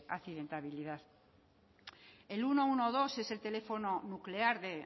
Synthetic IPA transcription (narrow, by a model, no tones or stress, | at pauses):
a̰θiðe̞nt̪aβiliðaθ | e̞luno̞unoð̞o̞se̞se̞lt̪e̞le̞fo̞nonukle̞aɾðe